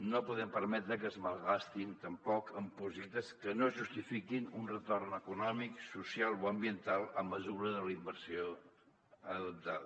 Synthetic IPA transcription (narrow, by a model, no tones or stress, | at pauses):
nopuðɛmpəɾmɛt̪ɾəkəzməlˠɣast̪int̪əmpɔkʰəmpuzit̪əskənoʒust̪ifikinunrət̪ornəkunɔmiksusjalˠoəmbiənt̪alˠəmːəzuɾəðəlimbəɾsio | əðəp̚t̪aðə